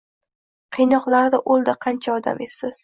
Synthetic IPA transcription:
qʰɨjnɒqlˠaɾd̪aʔolˠd̪aqʰɑnt͡ʃʰaɒd̪a̰mesːɪz̥

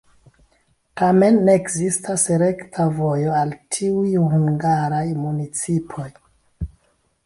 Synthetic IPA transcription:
tame̞nːe̞ːkzistaseɾe̞ktʰavo̞jo̞altʰiujhuŋɡaɾajmunit͡sipʰo̞j

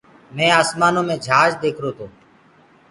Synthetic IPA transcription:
mɛ̃ːaːsmaːnõːmẽːd͡ʒʱaːd͡ʒd̪eːkʰɾoːt̪ʰoː

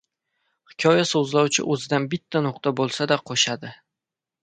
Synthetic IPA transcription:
hɪ̥kʲʰɒjasɵzlawt͡ʃʰɪ̰ʔɵzɪd̪anbɪt̪ʰːanʊqt̪abolˠsad̪aqʰoʃad̪ɪ

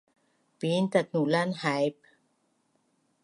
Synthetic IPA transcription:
piːnt̪at̪̚nulanhajp̚

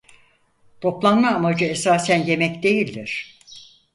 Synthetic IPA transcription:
t̪ʰo̞plˠanmaːmad͡ʒɯesaːsænje̞mɛcd̪e̞jilʲd̪iɾ̥

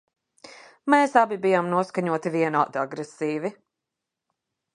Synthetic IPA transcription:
meːsabibijamnuɔskaɲuɔt̪iviɛnaːd̪aɡɾesiːvi

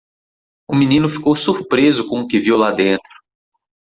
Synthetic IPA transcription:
ʊminĩnʊfi̥kowsuɾpɾezʊkõʊkɪviwlad̪ẽnt̪ɾʊ̥

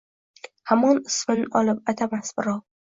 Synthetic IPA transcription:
hamɒnɪsmɪnɒlˠɪp̚at̪ʰamasbɪɾɒ

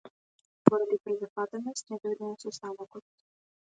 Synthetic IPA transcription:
pɔɾad̪ipɾɛzat̪vat̪ɛnɔst̪nɛd̪ɔɛd̪niɔt̪sɔst̪avɔkɔt̪̚

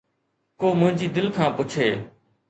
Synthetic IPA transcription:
koːmʊ̃ɦɪ̃ɲd͡ʑiːd̪ɪlkʰãːpʊt͡ʃʰeː

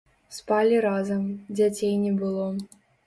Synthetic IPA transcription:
spalʲiɾazɐmd͡zʲat͡sʲejnʲɛbɨlˠɔ

